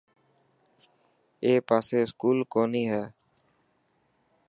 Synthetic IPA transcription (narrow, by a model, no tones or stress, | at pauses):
eːpaːseːɪskuːlkoːniːɦɛː